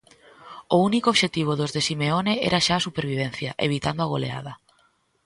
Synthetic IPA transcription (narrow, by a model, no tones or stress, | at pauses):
ounikoβʃet̪iβ̞oðozðesimeoneɛ̰ɾaʃaːsupeɾβ̞iβ̞ɛn̟θjɐʔḛβ̞it̪and̪oaɣ̞olḛa̰ðɐ